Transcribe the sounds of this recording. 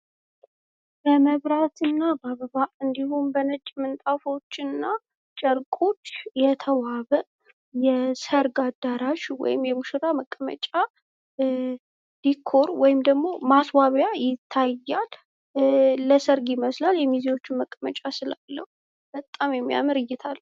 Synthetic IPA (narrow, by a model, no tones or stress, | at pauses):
b̥əməβɾat̪ʰɨnːabaβəβaʔɨnd̪ihunbənət͡ʃʼmɨnt̪ʼafo̞t͡ʃːɨnːa | t͡ʃʼəɾkʼo̞t͡ʃːjɛt̪ʰəwaβəʔ | jɛsəɾɡad̪ːaɾaʃwɔ̰jɪ̰mjɛmuʃɨɾaməkʼːəmə̰t͡ʃʼa | dikʰːoɾwɔjɪmd̪əɡmo̞maswaβjajɪt̪ʰːajːal | əsəɾɡɪməslaljɛmiziwo̞t͡ʃːɪnməkʼːəmə̰t͡ʃʼasɨla̰lːəhu | b̥ət̪ʼːamjɛmːija̰mɨɾɨjːɛt̪ʰalː